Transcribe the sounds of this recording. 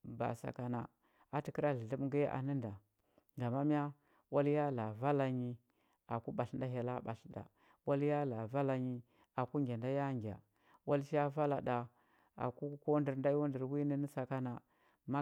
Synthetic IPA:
ba̰˨sa̰˨ka˨na˨ | a˨ti˨ki˦ɾa˦ɮə˨ɮə˦m˦ŋɡə˦ʔa̰˨nə˦nda˨ | ɡa˨ma˦m˦a˦ | wa˦lja˦la˨va˦la˨ɲi˦ | a˨ku˦ɓa˨ɬnda˨˦ɦe˨la˦ɓa˨ɬda̰˨ | wa˦lja˦la˨va˦la˨ɲi˦ | a˨ku˦ŋɡʲa˨nda˦ja˦ŋɡʲa̰˨ | wa˦lʃa˦va˦la˨ɗa˨ | a̰˨ku˦ko˦ndi˨ɾnda˦jo˦ndə˨ɾwi˦ni˦ni˦sa˨ka˦na˨ | ma˦

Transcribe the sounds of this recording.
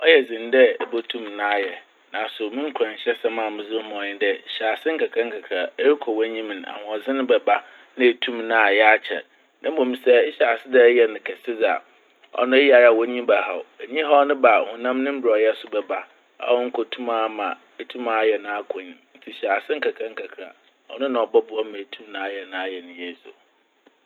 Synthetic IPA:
ɔ˦jɛ˨d͡zɪ̃˨n˦dɛ˦ɛ˨bo˦tʰũ˦mnã˦jɛ˨ | nã˨sʊ˨mɪ̃˦ŋ̩˦kʷʰɾã˨n˨ɕɛ˦sɛ˦mã˨mɪ̃˨zɪ˦mɔ̃˨ɲɪ̃˦ndɛ˦˨ɕa˨sɪ̃˦ŋ̩˦kʰa˨kʰã˦ŋ̩˦kʰa˨kʰa˨e˦ɾi˦kʰɔ˨wã˦ɲĩ˦m̃˨n˨a̰˨hʊ̃˨ɔ˨zɪ̃˦nʊ̃˦bɛ˨ba˦ | nã˦e˨tʰũ˦mnã˦˨jɛ˦a˦t͡ɕʰɛ̰˨d | nã˦m̩˦bõ˨mĩ˨sɛ˦ɪ˦ɕa˨sɪ˦dɛ˦jɛ˨nɪ̃˨kʰɛ˨sɪ˦d͡za̰˨ | ɔ̰˨nʊ̃˦e˦ja˨ɾa˨wɔ̃˦ɲĩ˦ba˨ɦa̰˨e˨ɲĩ˦ɦɔ˦nʊ̃˦ba˨hʊ̃˨nã˦mnɪ̃˦m̩˦bɾɔ˨jɛ˦sʊ˦bɛ˨ba˦ | a̰˦wɔ˦ŋ̩˦kʰo˨tʰũ˦ma˦mã˨ | e˨tʰũ˦ma˨˦jɛ˨nã˦a˦kʰɔ̃˨ɲ̃˨n̩˦tʰi˨ɕa˨sɪ̃˦ŋ̩˦kʰa˨kʰã˦ŋ̩˦kʰa˨kʰɾa̰˨ | ɔ̰˨nʊ̃˦nã˨ɔ˨bɔ˦bʊ˨ɔ˦mã˨e˨tʰũ˦mnã˦a˦jɛ˨nã˦a˦jɛ˨nʊ̃˨jɛ˦sʊ̰˨

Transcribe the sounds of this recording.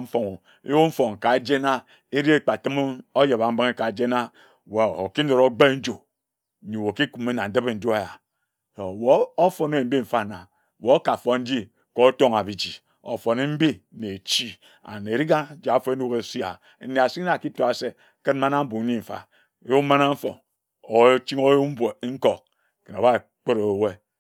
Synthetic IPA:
m̩˦fo˨ŋo˨ | ḭ˦wu˦m̩˦fo˨ŋ˨ka˨d͡ʒe˦na˦ | i˦ɾi˦e˦k͡pa˨tɨ˦m˦o˦je˨ba˨m̩˦be˦ŋe˦ka˨d͡ʒe˦na˦ | we˨o˨ki˦no˨ɾo˦ɡ͡be˦n̩˦d͡ʒo˨ | ɲi˨wo˨ki˦ku˨me˦na˨n̩˨dɨ˦be˨n̩˦d͡ʒo˦a˦ja˨ | o˨wo˨˦o˦fo˨ne˦˨m̩˦bi˦m̩˨fa˦˨na˨ | wo˨o˦ka˨fo˨n̩˦d͡ʒi˦ | ko˦to˦ŋa˨bi˨d͡ʒi˨ | o̰˨fo˨ne˦m̩˦bi˦ne˨t͡ʃi˦ | a̰˨ne˨ɾi˦ɡa˦d͡ʒi˨a˨˦fo˦e˦nu˦ɣe˨si˦a̰˨ | n̩˦ne˨a˨si˦a˨ki˦to˦˨a˨se˦ | ke˦n̩˦ma˦na˦m̩˦bu˨˦ɲi˦ɱ̩˨fa̰˨˦ | ju˦ma˦na˦m̩˦fo̰˨n | o˨˦t͡ʃi˦ŋo˦jm̩˦be˨˦ŋ̩˦ko˨k̚ | ke˨n˨o˨ba˦˨ | k͡pe˦ɾo˨we˦

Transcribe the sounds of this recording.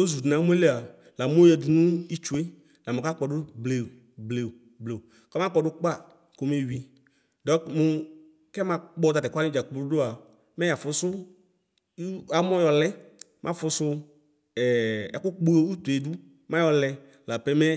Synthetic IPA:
o˦zu˨dnã˨˦m˦e˦le˦a˨ | la˨mo˦jɛ˨du˨nũ˦i˦t͡ʃu˨˦e˦ | la˨me˨ka˦k͡pɔ˨dʊ˦ble˨ | ble˨ | ble˨ | kɔ˦mã˦k͡pɔ˨dʊ˦k͡pa˦˨ | ko˨me˨wi˨ | dɔ˨˦kmu˦ | kɛ˦mã˨k͡pɔ˦d̪a˨tɛ˨kʷa˦nĩ˦d͡ʒa˨klu˦do˦a˨ | mɛ˦ja˨fʊ˨sʊ˦ | a˦mɔ̃˦jɔ˨lɛ˦ | mʔã˦fʊ˧sʊ˦˨ | ɛ˨˦kʊ˦k͡pu˦e˦u˦t̪u˨e˨du˦ | mã˦jɔ˨lɛ˨ | la˨pɛ˦mɛ˦

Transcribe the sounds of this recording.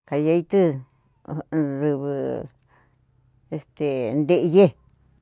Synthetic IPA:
ka˨ja˧i˦˧t̪ɨ˦ | ʐɨ˧βɨ˧ | e˧st̪e˨nd̪e˧ʔje˦

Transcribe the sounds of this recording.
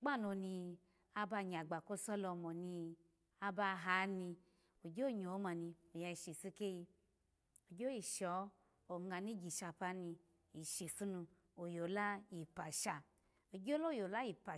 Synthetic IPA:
ɡ͡ba˦˨no˧ni˧ | a˧ba˧ɲa˨ɡ͡ba˨ko˦sɔ˦lɔ˧mɔ˨ni˧ | a˧ba˧ɦa˨˦ni˧ | o˨d͡ʒo˦˨ɲo˨˦ma˧ni˧o˨ja˧i˨ʃi˨su˦ke˦ji˧ | o˨d͡ʒo˦i˨ʃɔ˨˦ | o˨ŋa˨ni˦ɡi˨ʃa˧pa˧˦ni˧ | i˨ʃi˨su˦nu˧ | o˨jo˨la˦ji˨pa˨ʃa˧˨ | o˨d͡ʒo˦lo˦˨jo˨la˦ji˨pa˨

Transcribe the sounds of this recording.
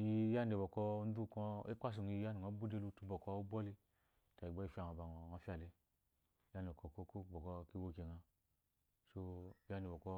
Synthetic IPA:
ji˦ja˦ne˨bɔ˨kɔ˦n̩˦du˦˨kɔ˧e˦kʷa˦s̬u˨ŋ˨˧i˧˦ja˦ne˨ŋa˨˦bu˦de˦lu˧tu˦˧bɔ˨kɔ˧u˦bɔ˦li˦ | ta˨i˨ɡ͡bɔ˦i˨fa˨a˨ba˨ŋɔ˨ŋa˧fi˦a˨le˧ | ja˦ne˨kɔ˧˨ko˦ko˦˨bɔ˨kɔ˧ki˦wo˧ke˨ŋa˧ | so˦ja˦ne˨bɔ˨kɔ˦

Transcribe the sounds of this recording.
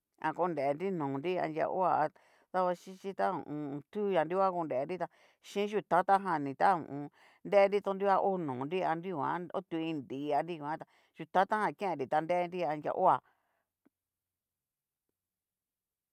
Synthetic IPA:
ã̰˧ko˧˦˧nde˨˧nɾi˦nũː˨nɾi˦a̰˧nd͡ʒʲja̰˧ʔo̰˦a˧˨a˧ | ða˦˧βa˧ʃĩ˦t͡ʃĩ˦t̪a˦ṵ̃˨ʔũ˧t̪u˦˧ja˧nɾi˦kʷa˦ko˧nde˨˧nɾi˦t̪a˧ | ʃĩ˦ʒu˧t̪a˦t̪a˦ɦã˧˨nĩ˨t̪a˦ṵ̃˨ʔũ˨˧ | nde˦˧˦ɾi˦t̪o˧nɾi˦wa˦˧ʔo˦nũː˨nɾi˦a˧nɾi˦˧ã̰˦o̰˦t̪u˧ĩ˧nd̪i˨˦˧a˧nɾi˦˧kʷã˦t̪a˧ | ʒ̥u˧t̪a˦t̪a˦hã˧˨kẽ˦ẽ˧ɾi˨t̪a˧nd̪e˦˧nɾi˦a˧nd͡ʒʲja̰˧ʔo˦a˨

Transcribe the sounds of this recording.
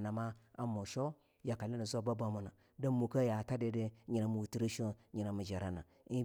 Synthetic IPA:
na˨ma˦a̰˨mo˨ʃo˦ | ja˨ka˨li˦ni˨zo˦ba˦ba˦mu˨na˨ | da˦mu˨ka˦ja˨ta˦de˦de˦ɲi˨na˨mu˨wu˨ti˦ɾi˦ʃo˦ɲi˨na˨mu˨d͡ʒa˨ɾa˨na˨ | i˦

